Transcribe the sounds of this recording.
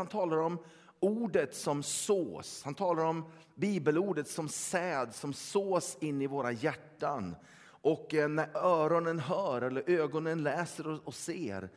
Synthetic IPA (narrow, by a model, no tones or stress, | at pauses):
ant̪ʰɑːlaɾɔm | uːɖət̪sɔmsoːshant̪ʰɑːlaɾɔm | biːbəluːɖət̪sɔmsɛːd̪sɔmsoːsɪnːɪvoːɾajæʈːan | ʔɔkːnæɾœːɾɔnənɦœːɾɛlːəɾʔøːɡɔnənlɛːsəɾɔɔseːɾ